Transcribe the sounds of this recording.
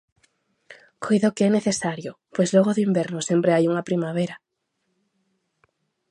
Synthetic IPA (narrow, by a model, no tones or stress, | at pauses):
kojðaʊkɪɛneθesaɾjopojzlɔɣoðʊimbɛɾnʊsempɾeajuŋɐpɾimaβ̞eɾɐ